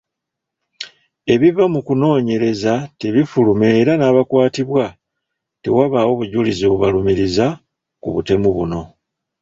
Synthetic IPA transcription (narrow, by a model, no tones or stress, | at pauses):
e̞βivamukuno̞ːɲe̞ɾe̞zateβifulumeːɾanaːβakwaːtiβwa | tewaβawo̞βuɟuliziβuβalumiɾiza | kuβute̞muβuno̞